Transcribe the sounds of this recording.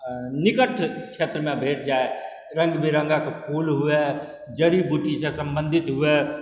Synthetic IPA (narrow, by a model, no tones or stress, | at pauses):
nɪkəʈʰkt͡ʃʰet̪ɾəmẽbʱeːʈ̚ʰd͡ʒaːe | ɾə̃ŋɡbʱiɾə̃ŋɡakepʰulɦue | d͡ʒəɾibuʈisẽsə̃mbə̃nd̪ʱɪt̪ɦue